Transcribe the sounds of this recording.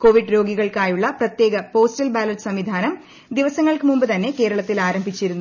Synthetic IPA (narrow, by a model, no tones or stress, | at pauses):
ko̞ːʋiɖɾo̞ːɡiɣɐɭkaːjuɭːɐprɐt̪je̞ːɡɐpo̞ːstɐlbaːlɐtɨsɐmʋid̪ʱaːnɐm | d̪iʋɐsɐŋːɐɭkɨmumbɨt̪ɐnːe̞ke̞ːɾɐɭɐt̪ːilaːɾɐmbʱit͡ɕːiɾunːu